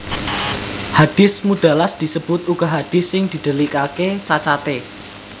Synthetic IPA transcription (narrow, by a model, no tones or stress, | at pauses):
had̥ɪ̤smud̪̥a̤lasd̪̥i̤səb̥ʊt̪uɡ̥ɔ̤ɦad̪̥ɪsːɪŋd̪̥i̤d̪̥ə̤likaket͡ʃat͡ʃat̪e